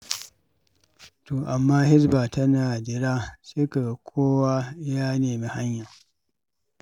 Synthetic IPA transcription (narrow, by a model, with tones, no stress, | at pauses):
toː˨ʔa˨mːaː˦hɪ˦sbaː˨tɐ˦naː˨dɪ˨ɽaː˦sɪ˦ka˨kʷʰoː˦waː˦jaː˦neː˨mi˦ha˦ɲja˨